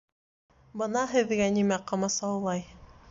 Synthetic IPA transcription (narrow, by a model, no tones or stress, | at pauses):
bɤnɑɦɘ̆ðɡænimæqɑmɑsɑwlˠɑj